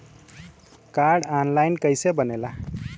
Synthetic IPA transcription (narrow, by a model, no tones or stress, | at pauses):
kaɾɖanlajnkəjsebənela